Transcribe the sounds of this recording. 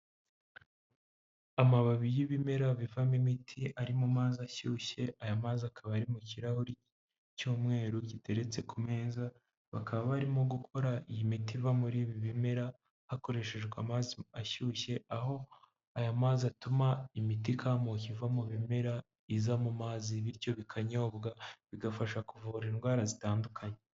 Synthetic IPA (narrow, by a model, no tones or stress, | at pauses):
amaβaβijiβime̞ɾavivamimitʰiʔaɾimumaːziaʃuːçe̞ʔajamaːziakʰaβaɾimuciɾahoɾi | cuːmŋe̞ːɾucite̞ɾe̞t͡se̞kume̞ːza | βakʰaβaβaɾimoɡukʰo̞ɾaijimitivamuɾiːβiβime̞ɾa | hako̞ɾe̞ʃe̞ʒɡwamaziaʃuːʃe̞aho̞ | ajamaːziatumaimitikʰamocivamuβimeɾa | izamumaːziβiɾco̞βikʰaɲo̞ːbɡaβiɡafaʃakuvuɾinɡwaːɾazitaːndukʰaɲe